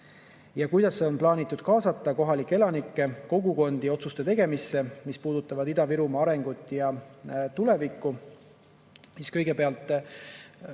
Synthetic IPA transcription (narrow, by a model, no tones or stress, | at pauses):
jɑkujd̪ɑsːe̞o̞nplɑːnit̪ːˑud̪̥kɑːsɑt̪ˑːɑko̞ɦɑlikːˑee̞lɑnikːe̞ko̞ɡuko̞nd̪io̞t̪sust̪e̞t̪e̞ɡ̥e̞misːe̞mispuːd̪̥ut̪ːˑɑvɑd̪id̪ɑviɾumɑɑɾe̞ŋɡ̥ut̪ːˑjɑt̪ule̞vikːu | siskɤ̞jɡe̞peɑlt̪ːˑ